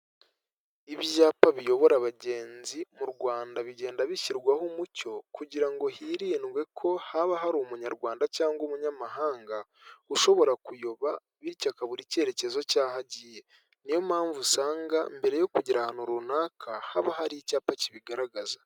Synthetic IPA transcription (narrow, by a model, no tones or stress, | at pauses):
iβjaːpaβijo̞βo̞ɾaβaɟe̞ːnzimuɾɡwaːndaβiɟe̞ːndaβiciɾɡwahumuco̞kuɟiɾaŋɡo̞hiɾiːnwe̞kʰo̞haβaɦaɾumuɲaɾɡwaːndacaːŋɡomuɲamahaːŋɡa | uʃo̞βo̞ɾakujoβa | βicakaβuɾice̞ːɾe̞ce̞zo̞caːɦaɟije̞ | nijo̞mhaːɱvusaːŋɡa̰mbe̞ɾe̞jo̞kuɟiɾahanuɾunaːkʰahaβaɦaɾicaːpaciβiɡaɾaɡaza